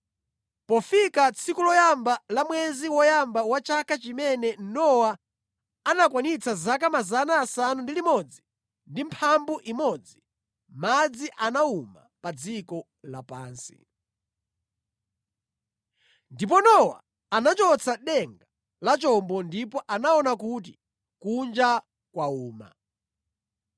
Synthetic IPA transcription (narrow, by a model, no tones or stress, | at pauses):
pɔfikat͡sʰikulɔjambalamwɛziwɔjambawat͡ʃakʰat͡ʃimɛnɛnɔwa | anakwanit͡sʰazak̬amazanaːsanundilimɔd͡zi | ndimpʰambuʔimɔd͡zi | mad͡ziʔanauma | pad͡zikɔ | lapaːnsḭ | ndip̬ɔnɔwa̰ː | nat͡ʃɔt͡sʰaɗɛŋɡa | lat͡ʃɔmbɔndipɔʔanaɔnakut̬i | kund͡ʒa | kwauːma̰